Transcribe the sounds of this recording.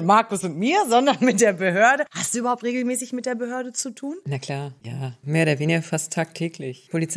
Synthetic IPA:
maɐkʊsʊntmiːɐzɔndɐnmɪt̚d̥eːɐbəɦøːɐdəhastd̥uːʔyːbɐhaʊptʁ̥eːɡl̩mɛːsɪçmɪt̚d̥eːɐbəɦøːɐdət͡sutʰuːnnakʰl̥aːɐjaːmeːɐoːɾɐveːnɪɡɐfastʰːaːk̚tʰɛːklɪçpʰolit͡s

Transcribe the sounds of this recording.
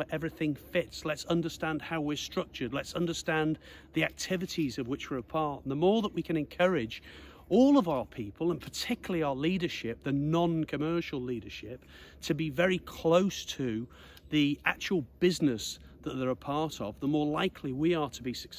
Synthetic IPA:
ʔɛvɹiθɪ̃ŋfɪtslətsʌ̃ndə˞stæ̃nd̥̚haʊwɪɹstɹ̥ʌk̚t͡ʃə˞dˡlətsʌ̃ndə˞stæ̃n | ðiæk̚tʰɪvɨɾizʌvwɨt͡ʃwəɹəpʰɑɹʔn̩ðəmɔɹðəʔwikʰɨ̃ñɨ̃nkʰʌɹɪd͡ʒ | ɔlˠʌvaʊə˞pʰipʰəlˠə̃npʰə˞tʰɪkjl̩ˠiaʊəliɾə˞ʃɪp̚ðɨnɑ̃nkʰɨmɜ˞ʃl̩ˠliɾə˞ʃɪp̚ | tʰɨbivɛɹikʰl̥oʊstʰɨ | ðiæ̰k̚t͡ʃuwl̩ˠbɪznɪs | ðəʔ̪̚ðə˞əpʰɑɹɾə̰vðəmɔɹlaɪkʰliwiə˞ɾʰəbisɨk

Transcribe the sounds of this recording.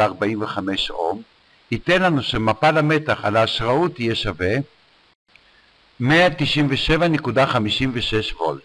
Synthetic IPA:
aʁbaimveχame̞ʃo̞̰m | it̪e̞nlanuʃemapalame̞t̪aχalaːʃʁaut̪ijeʃave | meat̪iʃimveʃe̞vanekudaχamiʃimveʃe̞ʃvo̰l

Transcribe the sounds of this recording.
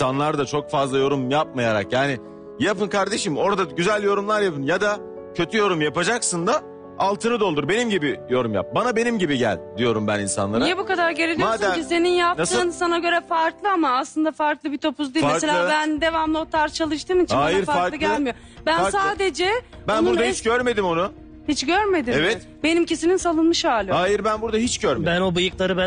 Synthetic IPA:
isanlˠaɾd̪at͡ʃʰo̞kfazlˠajo̞ɾumjap̚majaɾa̰kjaːnɪ | japɯnkʰaɾd̪e̞ʃimo̞ɾad̪aɟyzælʲjo̞ɾumlˠaɾjapɯnjad̪a | cʰø̞t̪ʰyjo̞ɾumjapad͡ʒaksɯnd̪a | alˠt̪ʰɯnɯd̪olˠd̪uɾbe̞nimɟibijo̞ɾumja̰p̚banabe̞nimɟibiɟæ̰lʲd̪ijo̞ɾumbæninsa̰nlˠaɾnaijɛbukad̪aɾɟeɾelʲmoaːd̪ɛmise̞ninjap̚nasɯːnsanaɟø̞ɾɛfaɾklˠɯamaːslˠɯnd̪afaɾklˠɯbit̪ʰo̞pʰuzd̪imeɾselʲabænd̪e̞vamlˠot̪ʰaɾt͡ʃʰalˠɯʃt̪ɯmt͡ʃaːj̪aiɾfaɾfaɾlˠɯɟælʲmijo | bænsaːd̪e̞d͡ʒɛbænbuɾahit͡ʃɟøɾme̞d̪imo̞nu | hit͡ʃɟøɾme̞d̪iɛvɛt̪ | be̞nimcisininsalˠɯnmɯʃhaːlʲhaːjiɾbænbuɾd̪aɦit͡ʃɟøɾmebænobɯjɯklˠaɾɯbæ

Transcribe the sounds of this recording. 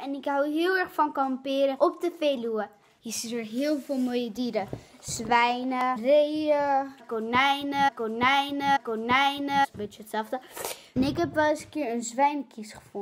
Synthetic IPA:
ɛnɪkɦawɦɪəlˠɛrχfɔnkɔmpɪːɾəʔop̚dəfeːluə | jəsitəɹɦɪəlˠfolˠmojədiɾə | zʋɛjnərejəkonɛjnəkonɛjnəkonɛjnəsənbɪtt͡ʃəətsɛlˠfdənɪkɦɛpʋɛsəkɪəɹənzʋɛjnkisχə̥fʊn

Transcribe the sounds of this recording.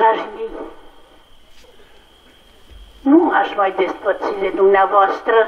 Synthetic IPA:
aʒmi | nũŋaʃmajd̪est̪̚pəd̪sid̪ed̪umnavɔst̪ɾə

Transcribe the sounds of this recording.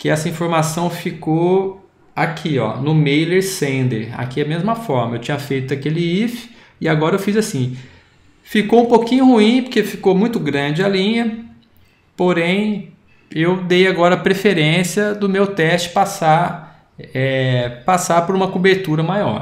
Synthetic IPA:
kɪɛsɐĩfoɾmasɐ̃w̃fiko | akʰiɔ̰nʊmejleɾsẽd̪ḛɾa̰kid̪ɐmezmɐfɔɾmɐewt͡ʃĩɲɐfejt̪ʊakelɪifɪ̥ | ɪaɡɔɾɐewfizasĩ | fikoũpokĩɲʊhuĩpoɾkefikomũj̃t̪ʊɡɾɐ̃d͡ʒɪalĩɲɐ | poɾẽj̃ | ewd̪ejaɡɔɾɐapɾefeɾẽsiɐd̪ʊmewt̪ɛst͡ʃɪ̥pasa | ɛpasapoɾũmɐkubeɾt̪uɾɐmajɔ̰ɾ

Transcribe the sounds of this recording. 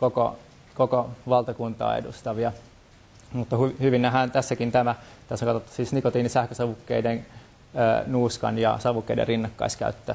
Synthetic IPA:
koko̰ | kokoʋɑlt̪ɑkunt̪ɑ̰ːḛdust̪ɑʋiɑ | mut̪ːɑhyhyʋinːæɦænt̪æsːækint̪æmæt̪æsːækɑt̪ot̪ːɑ̥siːsnikot̪iːnisæhkøsɑʋukːeidenː | nuːskɑ̰njɑ̰sɑʋukːeidḛrinːɑkːɑ̰iskæ̰yt̪ːø

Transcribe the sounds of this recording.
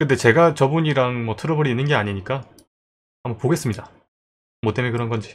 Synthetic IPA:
kɯnde̞t͡ɕe̞ɡat͡ɕʌbuɲiɾaŋmʌtʰɯɾʌbʌɾinːɯnɡe̞aɲiɲik͈a | amʌpoɡe̞s͈ɯmɲida | mot͈emekɯɾʌnɡʌnd͡ʑi

